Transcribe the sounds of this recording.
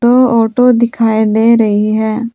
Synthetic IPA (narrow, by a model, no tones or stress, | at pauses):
oːɔːʈod̪ɪkʰaːed̪eːɾɐɦiɦɛː